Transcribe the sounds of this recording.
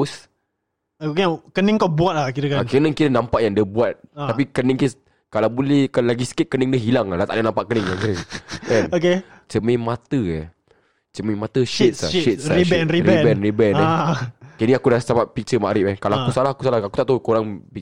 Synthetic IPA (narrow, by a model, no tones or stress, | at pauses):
us | kakənəŋkawbuat̪̚lahkiɾəkakənəŋkiɾənampaʔjaŋdiəbuat̪̚ːapikənəŋki | kalawbulɛhkalaɡisə̥kɪt̪̚kənəŋdəɦilaŋlat̪a̰ʔdənampaʔkənəŋjaŋkiɾəɛnoke | t͡ʃəmemat̪əə | t͡ʃəmimat̪əʃit̪̚sit̪sɾibɛnɾiɾibɛnribɛnɛkeniakudalst͡ʃapat̚pik̚t͡ʃəmaʔɾɪpɛkalakkusalahakusalahakut̪aʔt̪akuɾaŋbi